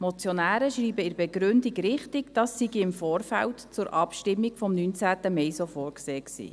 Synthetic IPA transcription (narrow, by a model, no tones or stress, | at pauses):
mɔt͡sjɔnæːɾəʃriːbəɪɾbɛɡɾʏndiɡɾɪχtikd̥ɑːsːiɡiɪmfoːrfæ̰ltt͡sʊɾʔɑpʃtɪmːikfɔmnyːnt͡sæːt̪əmɛjsofoːɾkseːksḭː